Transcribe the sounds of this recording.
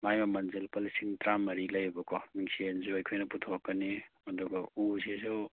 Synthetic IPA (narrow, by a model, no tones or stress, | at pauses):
majmɐmɐnzelpɐlisiŋtɾamɐɾilɐjbɐkʰɔniŋsienzuɐjkʰojnɐputʰokːɐniɐduɡɐuzisu